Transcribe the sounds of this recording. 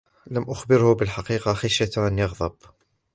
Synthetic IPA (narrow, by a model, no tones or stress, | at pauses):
lamʔʊxbɪɾhʊbɪlħɑqiːqɑxaʃjat̪anjɑɣðˤɑb